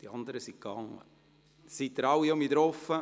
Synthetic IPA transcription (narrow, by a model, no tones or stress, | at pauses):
d̥iɑnd̪əɾəsikɑŋːə̰ | sittəɾɑwiomidɾɔfə